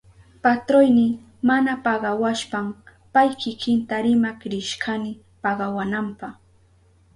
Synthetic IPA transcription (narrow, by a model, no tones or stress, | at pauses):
pat̪ɾojnɪ | manapɑɢɑwaʃpam | pajkɪkɪnt̪aɾɪmakɾɪʃkanɪ | pɑɢɑwanampɑχ